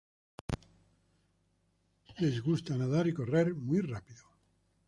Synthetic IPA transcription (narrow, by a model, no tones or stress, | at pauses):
le̞zɣust̪anaðaɾiko̞re̞ɾmwijrapiðo